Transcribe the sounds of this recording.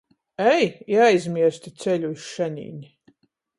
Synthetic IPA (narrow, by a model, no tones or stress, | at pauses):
ɛjiajzmʲiɛɾst̪ʲit̪sɛlʲuiʃʃɛɲʲḭːnʲi